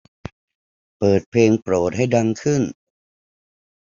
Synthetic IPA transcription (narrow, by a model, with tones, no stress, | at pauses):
pɤː˨˩t̪̚pʰeː˧ŋpɾoː˨˩t̪̚ɦa˥˩jda˧ŋkʰɯ˥˩n